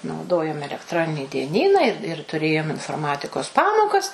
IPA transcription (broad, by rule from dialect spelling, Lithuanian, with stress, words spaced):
nɐʊˈdoːjoːm ɛlʲɛkˈtroːnʲɪnʲɪ dʲiɛˈnʲiːnɑː ɪr ɪr tʊˈrʲeːjoːm ɪnfoːrˈmɑːtʲɪkoːs ˈpɑːmoːkɐs